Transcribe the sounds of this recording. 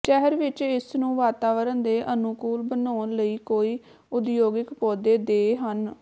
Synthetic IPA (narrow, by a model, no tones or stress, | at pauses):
ʃɛɦəɾʋɪt͡ʃɪsnũːʋaːt̪aːʋəɾənd̪eːʔənʊkuːlbənaːnləiːkoːiː | ʊd̪joːɡɪkpɔːd̪eːd̪eːɦən